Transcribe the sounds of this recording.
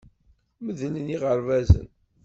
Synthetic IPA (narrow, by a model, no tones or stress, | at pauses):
məðələniʁəɾvæzə̰n